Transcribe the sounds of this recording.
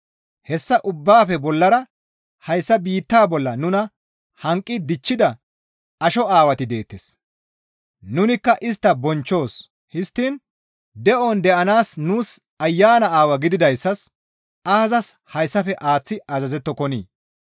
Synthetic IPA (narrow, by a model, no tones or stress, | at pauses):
hɛsːɐʔʊbːaːfɛbɔlːɐɾɐ | hɐjsːɐbiːt̪ːaːbɔlːɐnʊnɐ | hɐŋkʼːɪd̪ɪt͡ʃːɪd̪ɐ | ɐʃɔaːwɐt̪ɪd̪e̞ːt̪ːes | nʊnɪkːɐʔɪs̬t̪ːɐbɔnt͡ʃːo̞ːs | hɪst̪ːiːn | d̪ɛʔɔnd̪ɛʔɐnaːsnuːs | ɐjːaːnɐaːwɐɡɪd̪ɪd̪ɐjsːɐs | aːzɐshɐjsːɐfɛʔaːt͡sːɪɐzɐzɛt̪ːɔkɔnḭː